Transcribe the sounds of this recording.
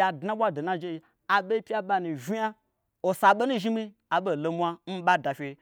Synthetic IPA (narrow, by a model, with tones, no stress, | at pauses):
a˨dna˦ɓʷa˦do˨na˦d͡ʒe˦i˧ | a˨ɓe˦pʲi˦a˦ɓa˧ni˨ʒʲi˦a˦ | o˨sa˧ɓo˦nu˦ʒi˦mi˦ | a˨ɓo˦˨lo˨˧mʷ˦a˧n̩˦ɓa˦da˨fʲe˧